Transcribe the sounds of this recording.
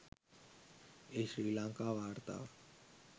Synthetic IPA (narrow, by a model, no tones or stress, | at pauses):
eʃɾiːlãːŋkaːʋaːɾt̪a̰ː